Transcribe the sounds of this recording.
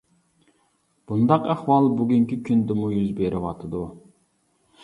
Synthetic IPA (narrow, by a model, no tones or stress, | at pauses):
b̥und̪ɑqæhwɑlˠbyɡʲyŋkʲikʲʰynd̪ɪmujyzbeɾʔɪwɑt̪ʰɨd̪u